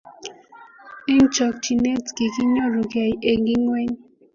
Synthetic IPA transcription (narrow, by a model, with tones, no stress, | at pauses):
i˦n˦t͡ʃɔ˨k̚t͡ʃi˨ne˦tki˨ki˦ɲɔ˦ɾu˨ke˨je˨ɡi˦ŋwe˦ɲ